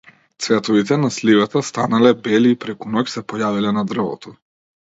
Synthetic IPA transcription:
t̪svɛt̪ɔvit̪ɛnaslivat̪ast̪analɛbɛliːpɾɛkunɔksɛpɔjavilɛnad̪r̩vɔ̰t̪ɔ

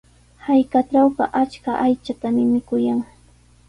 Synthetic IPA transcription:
hajkaʈ͡ʂawɢɑ̰ʔat͡ʃkaʔajt͡ʃat̪amɪmɪkʊjaŋ

